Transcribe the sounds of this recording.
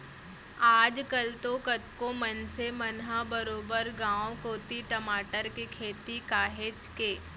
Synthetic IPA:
aːd͡ʒkɐlt̪okɐt̪komənsemɐnɦabəɾoːbəɾɡãːokoːt̪iʈəmaːʈəɾkekʰeːt̪ikaːɦet͡ʃkeː

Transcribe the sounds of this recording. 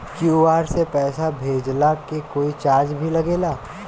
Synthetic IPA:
kjuːaːɾsepɛːsabʱeːd͡ʒlakekoːit͡ʃaːɾd͡ʒbʱilɐɡeːlaː

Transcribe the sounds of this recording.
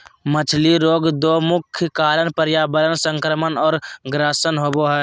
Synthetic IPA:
mət͡ʃʰliɾoːɡd̪oːmʊkʰjkaːlənpəɾjabələnsə̃ŋkɾəmənɔːɾɡɾasənɦoːboɦɛ

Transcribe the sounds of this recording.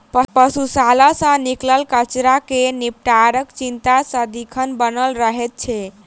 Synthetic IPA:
pəpəsusalasə̃nikləlkət͡ʃɾakenip̚ʈaɾəkt͡ʃint̪asə̃d̪ikʰənbənəlɾəɦɛt̪̚t͡ʃʰɛ

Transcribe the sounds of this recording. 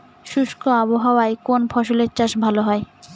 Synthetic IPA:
ʃuʃkʰoaβoɦawaekonfʰɔʃoleɾt͡ɕaʃbʱaloɦɔe

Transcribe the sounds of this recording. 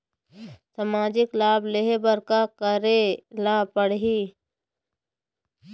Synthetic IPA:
samaːd͡ʒɪklaːbleɦebəɾkakəɾelaːpəɽɦiː

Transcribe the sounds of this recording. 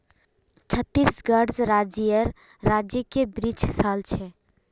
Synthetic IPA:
t͡ʃʰət̪ːisɡəɖzɾad͡ʒijəɾː | ad͡ʒjəkebɾit͡ʃsalt͡ʃʰɛ

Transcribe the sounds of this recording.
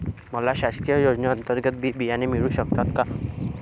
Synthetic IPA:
məlaɕaskijəjod͡znaːnt̪əɾɡət̪̚bʱibijanemiɭuːɕək̚t̪at̪ka

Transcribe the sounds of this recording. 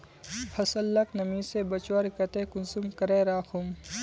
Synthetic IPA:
hɐsɐlːɐknɐmĩsebɐt͡ʃwaɾkɐt̪eːkunsumkɐɾeːɾaːxum

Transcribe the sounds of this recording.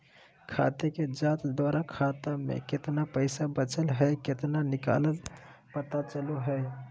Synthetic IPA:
kʰa̰t̪eked͡ʒat̪d̪waɾʔakʰat̪amḛket̪napəɪsabət͡ʃəlɦəjket̪nanika̰ləlpət̪at͡ʃəluɦəj

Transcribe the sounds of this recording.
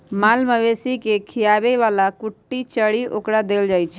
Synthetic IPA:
maːlməʋesikekʰijaːbeʋaːlakʊʈːit͡ʃəɽiʔokɽad̪eːld͡ʒaːjt͡ʃʰ

